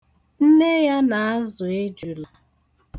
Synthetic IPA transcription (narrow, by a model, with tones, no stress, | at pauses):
n̩˦ne˦ja˦na˨a˦zʊ˨e˦d͡ʒu˨la˨